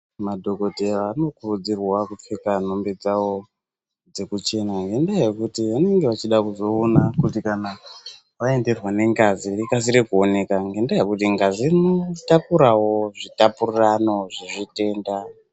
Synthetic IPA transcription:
madʱo̞ko̞teʋano̞kurud͡zirwakup͡fekan̤o̞mbe̞d͡zawo̞ | d͡ze̞kut͡ʃe̞naŋɡe̞ndajekutiʋane̞ŋɡeʋat͡ʃiɗakuzo̞ːnakutikana | ʋae̞nde̞rwane̞ŋɡazirikas̬iɾikuo̞ne̞kaŋɡe̞ndajekutiŋɡazinotakuɾawo̞ʐitapurirano̞ʐiʐite̞ːnda

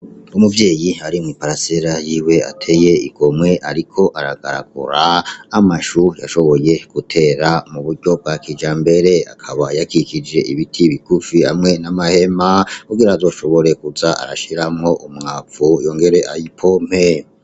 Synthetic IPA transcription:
umuvje̞ːjiaɾimŋipaɾaseɾajiːwe̞a̰tʰe̞je̞iɡ̥o̞mŋe̞ʔaɾikʰo̞ʔaɾaɡa̰ɾa̰ɡṵɾaːmaʃuja̰ʃo̞βo̞je̞ɡ̥utʰe̞ːɾamuβuɾɟo̞b̚ɡakid͡ʒaːmbe̞ɾe̞a̰kʰaβajakikid͡ʒe̞ʔiβitʰiβikufiha̰mŋe̞namahe̞makuɡiɾaːzo̞ːʃo̞βo̞ɾe̞kuzaʔa̰ɾaʃiɾamŋo̞ʔumŋafujo̞ŋɡe̞ɾe̞ʔajipʰo̞m̥he

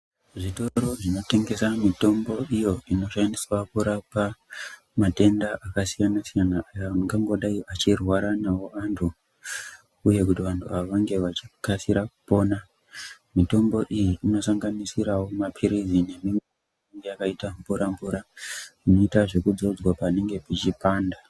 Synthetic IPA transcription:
ʐito̞ɾo̞ʐino̞te̞ŋɡe̞samito̞mbo̞ijo̞ʔino̞ʃandiswakuɾapa | mate̞ndaʔakasijanasijanaʔːjaŋɡaŋɡo̞ɗaiʋat͡ʃirwaɾanawo̞antʰu | uje̞kutiʋantʰuaʋaŋɡe̞ʋat͡ʃi̥kasiɾakupo̞ːna | mito̞mbo̞ʔijiino̞saŋɡanisiɾawo̞mapʰiɾizine̞mimwe̞ | neŋɡe̞jakaitaɱvuɾambvuɾaino̞itaʐe̞kud͡zo̞d͡zwapane̞ŋɡe̞pit͡ʃipaːnda

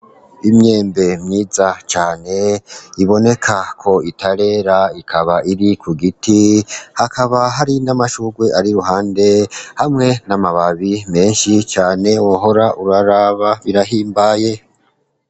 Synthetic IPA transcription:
imɲe̞ːmbe̞mɲiːzat͡ʃaːne̞iβo̞ne̞kʰakʰo̞itaɾe̞ːɾaikʰaβaʔiɾikʰuɡitihakʰaβaɦaɾinamaʃuɡwe̞ʔaɾiɾuɦaːnde̞hamŋe̞namaβaβime̞ːnʃit͡ʃaːne̞woɦo̞ɾaʔuɾaɾaβaβiɾaɦiːmbaːje̞

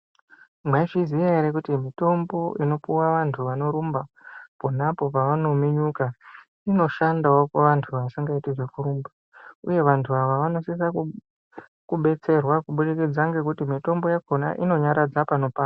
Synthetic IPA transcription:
mwaiʐiziaeɾekutimito̞mbo̞ʔino̞puwaʋantʰuʋano̞ɾumbaponapo̞paʋano̞miɲuka | ino̞ʃandaokeʋantʰuʋaʋasiŋɡaitiʐe̞kuɾuːmba | ṵje̞ʋantʰuaʋaʋano̞sis̬aku | kuɓe̞t͡se̞rwakuɓuɾikid͡zaŋɡe̞k̬utimito̞mbo̞jako̞na̰ʔino̞ɲaɾad͡zapano̞paː

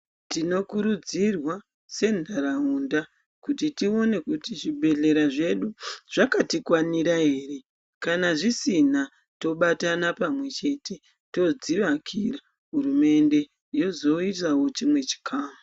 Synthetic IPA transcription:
tino̞kuɾud͡zirwa | se̞ndʱaɾaunda | kutitio̞ne̞kutiʐiɓʱe̞ɮe̞ɾaʐe̞ɗuʐ̥akatikwaniɾaɦe̞ːre̞ | kanaʐisina | to̞ɓatanapamwe̞t͡ʃe̞te̞ | to̞d͡ziʋakʰira | ɦuɾume̞nde̞ | jo̞zo̞itawo̞t͡ʃimwe̞t͡ʃi̥kʰaːmu

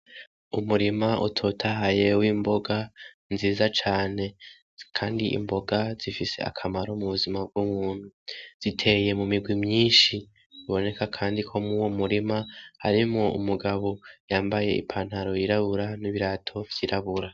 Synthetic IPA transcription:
umuɾimaʔṵtʰotʰaɦaje̞wimbo̞ɡa | nziːzat͡ʃaːne̞ | kʰaːndiʔḭmbo̞ɡaz̥ifise̞̰a̰kʰamaɾo̞muβuzimab̚ɡumuːn̥huz̥itʰe̞je̞mumiɡwimɲiːʃi | uβo̞ne̞kakʰaːndikʰo̞mŋuwomuɾimahaɾimŋo̞ṵmuɡaβo̞jaːmbaje̞̰ḭpʰaːn̥haɾo̞jiɾaβuɾaniβiɾatʰo̞vjiɾʔaβuɾa

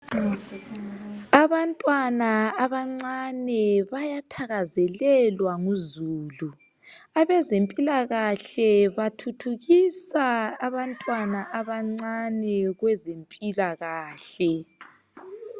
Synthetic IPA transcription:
aβantʼwanaaβaŋ͡ǀanɛβajatʰaɣazɛlɛlwaŋuzuːlu | aβɛzempʼilaɣaɬɛβatʰutʰuɣisaːβantʼwanaʔaβaŋ͡ǀanɛɣwɛzempʼilaɣaːɬɛ

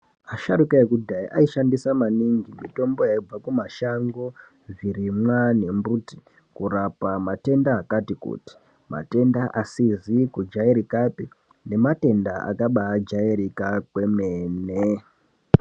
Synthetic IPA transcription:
aʃaɾukaekudʱaiʔaiʃandisamaniŋɡimito̞mbo̞jaib͡vakumaʃaŋɡo | virimwane̞mbuti̥ | kurapamate̞ndaːkatikṵti̥ | ma̰te̞ndaʔasizikud͡ʒaiɾikapi | ne̞mate̞ndaʔa̰kaɓaːd͡ʒaiɾikakwe̞meːne

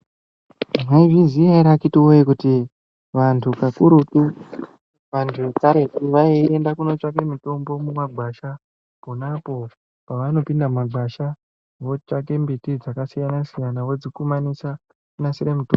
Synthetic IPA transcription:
maiviziaiɾakitiojekuti | ʋantʰukakuɾutu | ʋantʰuekaɾe̞tiʋaiendakuno̞t͡ʃak̬e̞mito̞mbo̞mumaɡ͡bʱaʃa | ponapo̞ | paʋano̞pindamaɡ͡bʱaʃa | ʋo̞t͡ʃak̬e̞mbitid͡zakasijanasijanaʋo̞d͡zikumanisa | kunasiɾemitoː

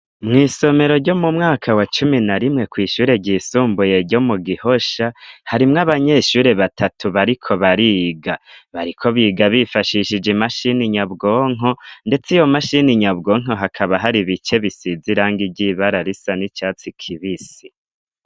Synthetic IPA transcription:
mŋiːso̞me̞ɾo̞ɾɟo̞mumŋaːkʰawat͡ʃuminaɾimŋe̞kwiːʃuːɾe̞ɟiːsuːmbuje̞ɾɟo̞muɡiho̞ʃahaɾimŋaβaɲe̞ʃuːɾe̞βatʰatʰuβaɾikʰo̞βaɾiɡaβaɾikʰo̞βiɡaβifaʃiʃid͡ʒimaʃiniɲabɡo̞ːŋ̥ɦonde̞t͡sijo̞maʃiniɲabɡo̞ːŋ̥o̞ɦakʰaβaɦaɾiβit͡ʃe̞βisiziɾaːŋɡiɟiβaɾaɾisanit͡ʃaːt͡sikʰiβisi

